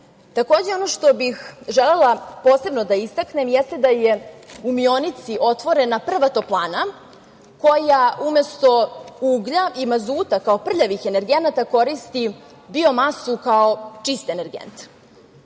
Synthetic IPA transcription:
t̪ako̞ːd͡ʑe̞o̞noʃt̪o̞bixʒele̞lˠapoːse̞bno̞d̪aist̪akne̞mjɛst̪e̞d̪ajeumio̞nit̪siʔo̞t̪ʋo̞ɾe̞napr̩ʋat̪o̞plˠaːna | ko̞jaʔume̞st̪o̞uːɡʎaimazuːt̪akao̞pr̩ʎaʋixe̞ne̞ɾɡe̞nat̪ako̞ɾist̪i | bio̞masukao̞t͡ʂist̪e̞ne̞ɾɡḛnt̪

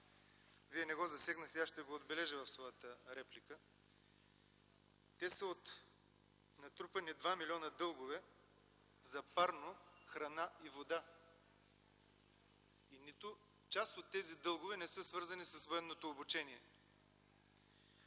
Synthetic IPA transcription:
viɛnɛɡɔzɐsɛɡnəxt̪ɛaʃt̪ɛɡoːd̪bɛlɛʒəvɐfsvɔjət̪əɾɛplikə | t̪ɛsəot̪ | nɐt̪ɾupɐnid̪vamilʲɔnəd̪ɤlˠɡovɛ | zɐpaɾnoxɾɐnaivod̪a | init̪ʊ | t͡ʃast̪ot̪ːɛzid̪ɤlˠɡovɛnɛsɤsvɤɾzɐnisɐsvoɛnːot̪oːbut͡ʃɛniɛ

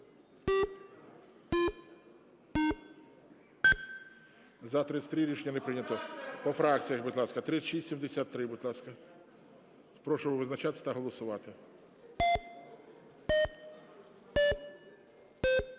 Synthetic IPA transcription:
zɐt̪ɾɪt̪sʲt̪ʲɾʲɪɾʲiʃenʲːɐnɛpɾɪnʲɐt̪ɔpɔfɾɑk̚t͡sʲijɐxbʊd̪lˠɑskɐt̪ɾɪʃisʲsʲimd̪esʲat̪ːɾɪbʊd̪lˠɑskɐ | spɾɔʃʊʋɪʋɪznɐt͡ʃat̪ɪ̥sʲɐt̪ɐɦɔlˠɔsʊʋɑt̪ɪ

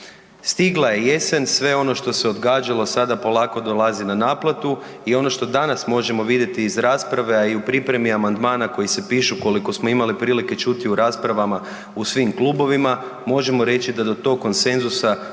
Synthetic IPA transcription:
st̪iɡlˠaje̞je̞sensʋe̞o̞no̞ʃt̪o̞se̞od̪ɡaːd͡ʒalo̞sad̪apo̞lˠaːko̞d̪o̞lˠazinanaːplat̪u | io̞no̞ʃt̪o̞d̪anasmo̞ʒe̞mo̞ʋid̪je̞t̪iːzɾaːspɾaʋe̞aiupɾipɾe̞miamand̪maːnako̞jise̞piːʃuko̞liko̞smo̞imalipɾiːlike̞t͡ʃut̪iuɾaːspɾaʋama | usʋimklˠubo̞ʋima | mo̞ʒe̞mo̞ɾe̞t͡ɕid̪ad̪o̞t̪o̞ːkkːo̞nse̞nzusa

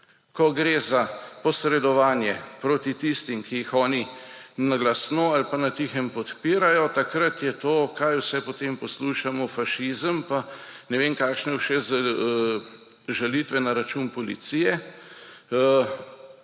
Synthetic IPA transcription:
kɔɡɾeːzapɔsɾɛd̪ɔʋaːnjɛpɾoːt̪it̪ist̪imkijixɔːninaɡlasnoalpanat̪ixəmpɔt̪piːɾajɔt̪akɾat̪jɛt̪oːkaːjwsɛpɔt̪empɔsluʃamɔfaʃizəmpa | nɛʋeːmkaːkʃnɛwʃɛza | ʒalit̪ʋɛnaɾat͡ʃuːnpɔlit̪sijɛ

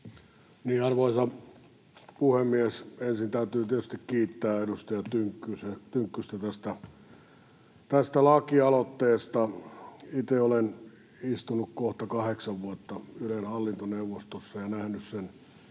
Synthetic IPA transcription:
niːɑrʋoisɑ | puhemːiesensint̪æyt̪yːt̪iet̪yst̪ikkiːt̪ːæːedust̪ɑjɑt̪yŋkːyset̪yŋkːyst̪æt̪æst̪æ | t̪æst̪ælɑkiɑlot̪ːeːst̪ɑ | it̪eolen | ist̪unukkoht̪ɑkɑheksɑʋʋuɑt̪ːɑylenhɑlːint̪oneuʋost̪osːɑjɑnæhnyssen

